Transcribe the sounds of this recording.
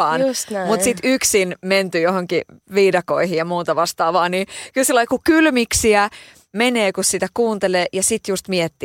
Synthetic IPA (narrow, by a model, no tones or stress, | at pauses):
ɑːnsmut̪sit̪yksinment̪yjohoŋkiʋiːdɑko̰ihijjɑmuːt̪ɑʋɑst̪ɑːʋɑːniːkylsilːɑikukylmiksiæ | meneːkussit̪ækuːnt̪eleːjɑsit̪just̪miet̪ːiː